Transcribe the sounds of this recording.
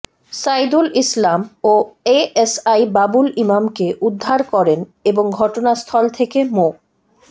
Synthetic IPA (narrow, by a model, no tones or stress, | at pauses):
sajd̪ulislamoeesajbabulimamkeʔud̪ʱːaɾkɔɾeneboŋɡʱɔʈonast̪ʰɔlt̪ʰekemo